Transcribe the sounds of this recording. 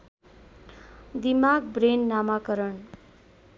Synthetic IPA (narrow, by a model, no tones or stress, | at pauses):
d̪imaɡbrenːamakʌɾʌɳ